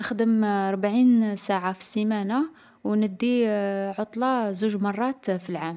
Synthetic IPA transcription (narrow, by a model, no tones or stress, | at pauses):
əxd̪əmɑɾˤbʕinsaʕafi̥simæna | wnəd̪ːiʕot̪ˤlɑzuʒmɑrˤːɑt̪filʕam